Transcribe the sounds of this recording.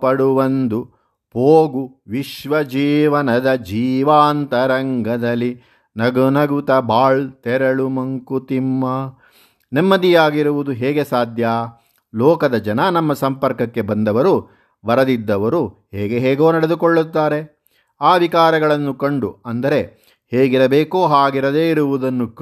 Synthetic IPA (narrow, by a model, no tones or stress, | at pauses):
pɐɽuʋɐnd̪u | poːɡuʋiʃʋɐd͡ʒiːʋɐnɐd̪ɐd͡ʒiːʋaːnt̪ɐɾɐŋɡʱɐd̪ɐlːi | nɐɡunɐɡut̪ɐbaːɭt̪ɛɾɐɭumɐŋkut̪imːɐ | nemːɐd̪ijaːɡiɾuʋud̪uɦeːɡe̞saːd̪ʱjaː | lɔːkɐd̪ɐd͡ʒɐnɐnɐmːɐsɐmpɐɾkɐkːe̞bɐnd̪ɐʋɐɾu | ʋɐɾɐd̪id̪ːɐʋɐɾuheːɡe̞ɦɛːɡo̞ːnɐɽe̞d̪ukoɭːut̪ːaːɾe̞ | aːʋikaːɾɐɡɐɭɐnːukɐɳɖuɐnd̪ɐɾe̞ | heːɡiɾɐbeːkoːɦaːɡiɾɐd̪e̞ːiɾuʋud̪ɐnːuk